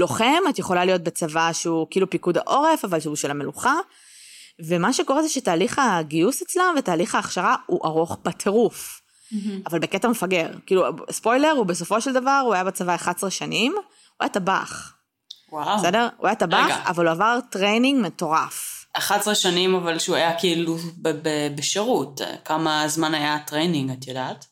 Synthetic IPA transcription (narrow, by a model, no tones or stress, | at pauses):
lo̞χemat̪jeχo̞lalijo̞t̪̚bet͡savaʃeukiːlupikud̪a̰ʔo̞ʁe̞favalʃeuʃelame̞luχa | ve̞maʃeko̞ʁezeʃetaːliχaɡiuset͡slanvetaːliχaːχʃaʁauʔaʁo̞χbatʰeʁuf | avalbeketamefaɡeʁkiːluspo̞jle̞ʁubeso̞fo̞ʃeld̪avaʁuajabet͡savaeχatsʁeʃanim | ua̰jataba̰χ | wasedeʁṵajatabaɡa̰valuavaʁtʁejniŋɡmeto̞ʁafaχadsʁeʃanimavalʃeuajakiːlubbebeʃeʁutkamazmanajat̪ʁejniŋɡatjadat